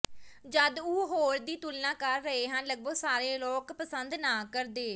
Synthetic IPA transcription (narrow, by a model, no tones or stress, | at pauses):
d͡ʒəd̪uːɦoːɾd̪iːt̪ulnãːkəɾːəeːɦənləɡ̚bəɡsaːɾeːloːkpəsənd̪naːkəɾd̪eː